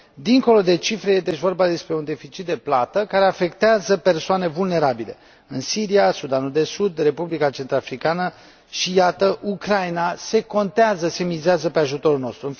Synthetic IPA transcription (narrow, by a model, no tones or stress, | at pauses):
d̪iŋko̞lo̞d̪e̞t͡ʃifɾe̞jet̪et͡ʃvo̞rbad̪e̞spɾe̞und̪e̞fit͡ʃit̪̚d̪e̞plat̪əkaɾe̞afe̞kt̪eazəpe̞rsoane̞vulne̞ɾabile̞̰ | ɨnsiɾiasud̪anuld̪e̞sud̪re̞publikat͡ʃe̞nt̪ɾafɾikanə | ʃijat̪əʔukɾajnase̞ko̞nt̪eazəse̞mizeazəpe̞aʒut̪o̞ɾulno̞st̪ɾuɨn